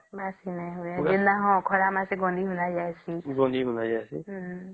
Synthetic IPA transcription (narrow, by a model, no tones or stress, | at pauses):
basinãɦojaɪndaɦɔ̃kʰɔɾamãseɡɔ̃nd̪ʱiɦunad͡ʒaɛsiɡɔ̃nd̪ʱiɦunad͡ʒasḭ